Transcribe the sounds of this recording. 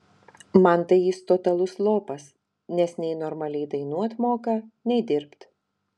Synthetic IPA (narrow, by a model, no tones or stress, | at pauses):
mɐnt̪ɐɪjist̪ot̪ɐlˠʊslˠoːpɐs | nʲɛsnʲɛɪnɔɾmɐlʲɛɪd̪ɐɪnuːɐt̪moːkɐnʲɛɪd̪ʲɪɾpt̪